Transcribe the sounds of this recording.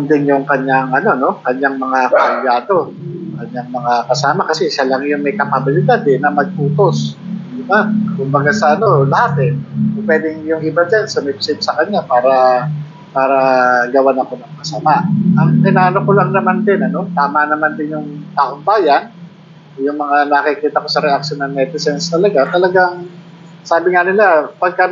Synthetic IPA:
nd̪ɪnjʊŋkɐɲːaŋɐno̞no̞kɐɲːaŋmɐŋakɐʔɐjaːd̪o̞ | kɐɲaŋmɐŋakɐsaːmakɐsɛʃalaŋjʊŋmɐjkɐpabɪlɪd̪ad̪ɛnɐmɐɡ̚ʔuːt̪o̞sɪmankʊmbɐɡasɐʔɐno̞lɐhat̪ɛpwɛːd̪ɪŋjʊŋʔɪbad͡ʒansʊmɪp̚sɪt̪̚sɐkɐɲapaːɾɐ | paːɾɐɡɐwanɐko̞nɐŋkɐsamaʔʔɐŋpɪnaːʔɐnokolaŋnɐmand̪ɪnɐno̞t̪aːmanɐmand̪ɪnjʊŋt̪aːʔoŋbaːjan | jʊŋmɐŋanɐkɪkiːt̪ɐko̞sɐɾɛʔak̚ʃonɐŋmɛt̪ɪsɛnst̪ɐlɐɡat̪ɐlɐɡaŋ | saːbɪŋanɪlapɐɡ̚kɐ

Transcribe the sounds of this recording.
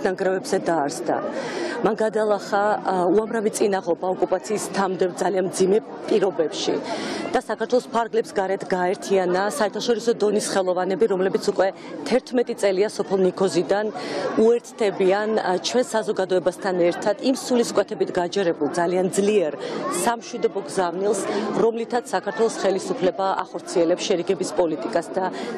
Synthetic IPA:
naŋɡɾɛvɛbzɛd̪aːɾsd̪a̰manɡad̪alˠaχauamɾavit̪sʼinaʁɔbaɔkʼupʼat̪sʰiːst̪ʰamd̪ɛvd̪zalianmd̪zimɛ | pʼiɾɔbɛpʃḭd̪̥asakʰaɾt̪ʰwɛlˠɔspʰaɾɡlɛpsɡaɾɛt̪ʰɡaɛɾt̪ʰianasaɛɾt̪ʰaʃɔɾisɔd̪ɔnisχɛlˠɔvanɛbiɾɔmlɛbit̪sʰukʼwɛ | t̪ʰɛɾt̪ʰmɛt̪ʼit̪sʼɛliasɔpʰɛlˠnikʰɔzid̪anuɛɾt̪sʰd̪ɛbiant͡ʃʰwɛnsazɔɡad̪ɔɛbast̪ʰanɛɾt̪ʰad̪̥imsuliskʼwɛt̪ʰɛbit̪ʰɡad͡ʒɛɾɛbulˠd̪zaliand̪zliɛɾsamʃwid̪ɔbɔɡzavnilˠsɾɔmlit̪ʰat̪ssakʰaɾt̪ʰwɛlˠɔsχɛlisupʰlɛbaʔa̰χɔɾt̪sʰiɛlɛpsʃɛɾiɡɛbispʼɔlit̪ʼikʼasd̪a

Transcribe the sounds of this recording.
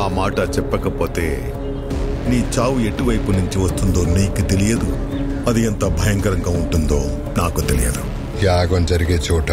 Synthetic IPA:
aːmaːʈɐt͡ʃɛpːɐkɐpo̞ːt̪e̞̰ː | niːt͡ʃaːʋue̞ʈiʋɐjpunuɲt͡ʃiʋɐst̪und̪o̞ːniːkut̪e̞lijɐd̪u | ɐd̪iɐnt̪ɐbʱɐjɐŋkɐɾɐŋɡaːuɳʈund̪o̞̰ː | naːkut̪elḭjɐ̰d̪u | jaːɡɐnd͡ʒɐɾiɡeːt͡ʃuːʈɐ

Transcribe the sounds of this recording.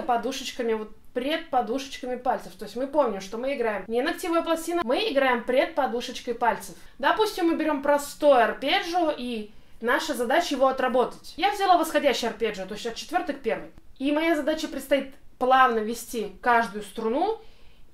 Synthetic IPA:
əpɐd̪uʂət͡ɕkəmʲɪvo̞t̪̚pɾʲet̪̚pɐd̪uʂə̥t͡ɕkəmʲɪpalʲt̪səft̪o̞ɪsʲmɨpo̞mnʲɪmʂt̪o̞mɨɪɡɾajɪmnʲɪnɐk̚tʲivəjəplˠɐsʲtʲinəmɨɪɡɾajɪmpɾʲet̪̚pɐd̪uʂət͡ɕkəjpalʲt̪səfd̪ɐpusʲtʲɪmːɨbʲɪɾʲo̞mpɾɐst̪ojʊɐrpʲeʐʊʔinaʂəzɐd̪at͡ɕəjɪvo̞ɐt̪ɾɐbo̞t̪ə̥tʲjavzʲalˠavəsxɐdʲæɕːɪjɐrpʲeʐɨt̪o̞ɪsʲɐt̪̚t͡ɕɪt̪vʲo̞rt̪ɨxpʲe̞rvɨximɐjazɐd̪at͡ɕəpɾʲɪt̪st̪ɐit̪plˠavnəvʲɪsʲtʲikaʐd̪ʊjʊst̪ɾʊnu

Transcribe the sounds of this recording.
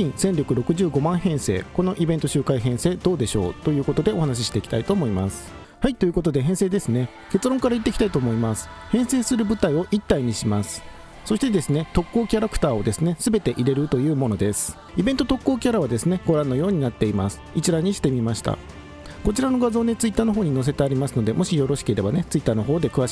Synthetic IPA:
kʲĩɰ̃sẽ̞nɾʲo̞kɯ̟ɾo̞kɯ̟ʑɨːɡo̞mãɰ̃ɦẽ̞ɰ̃se̞̰ːko̞no̞ʔibent̪o̞ɕɨːkaiɦẽ̞ɰ̃se̞ːd̪o̞ːd̪e̞ɕo̞̰ːt̪o̞jɯ̟ːko̞t̪o̞d̪e̞o̞hanaɕ̬iɕi̥t̪e̞iki̥t̪ait̪o̞ːmoimasɨ̥ | hait̪ːo̞jiɯ̟kot̪o̞d̪e̞ɦẽ̞ɰ̃seːd̪esɨne̞ | ke̞t͡sɨɾõ̞ŋkaɾait̪̬ːe̞kʲi̥t̪ait̪o̞ːmo̞imasɨ̥ | hẽ̞ɰ̃se̞ːsɨɾɯ̟bɯ̟t̪aio̞ʔit̪ːaiɲ̟iɕimasɨ̥ | so̞ɕi̥t̪e̞d̪e̞sɨne̞t̪o̞kːo̞ːkʲaɾakɯ̟̥t̪aːo̞d̪e̞sɨne̞sɨbe̞t̪e̞ʔiɾe̞ɾɯ̟t̪o̞jɯ̟ːmo̞no̞d̪e̞sɨ̥ | ibẽ̞nt̪ot̪o̞kːo̞ːkʲaɾaβ̞ad̪e̞sɨne̞ɡ̥o̞ɾãnːo̞jo̞ːɲ̟inat̪ːe̞imasɨ̥it͡ɕiɾaɲ̟iɕi̥t̪e̞mʲimaɕi̥t̪a̰ | ko̞t͡ɕiɾano̞ɡazo̞ːne̞t͡sɨit̪ːaːno̞ɦo̞ːɲ̟ino̞s̬e̞t̪e̞aɾʲimasɨno̞d̪e̞mo̞ɕijo̞ɾo̞ɕi̥keiɾe̞bane̞t͡sɨit̪ːaːnoɦo̞ːd̪e̞kɯ̟βaɕ

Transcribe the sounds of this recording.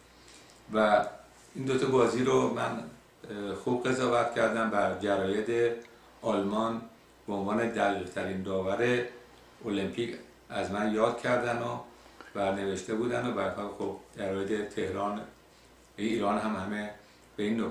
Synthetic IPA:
væ | iːnd̪ot̪ʰɒbɒːziːɾomæn | xub̚ɣe̞zɒːvæt̪cʰæɾd̪æmbæɾd͡ʒæɾɒːjet̪ʰe | ɒːlmɒːn | b̥eonvɒːne̞d̪æʁiʁt̪ʰæɾind̪ɒːvæɾe | olempʰicʰ | æzmænjɒːd̪̥̚cʰæɾd̪ænobæɾne̞ve̞ʃt̪e̞buːd̪ænobæɾhɔlxobd͡ʒæɾɒːjet̪ʰet̪ʰehɾɒːn | iːɾɒːnɦæmhæme | beiːnːo

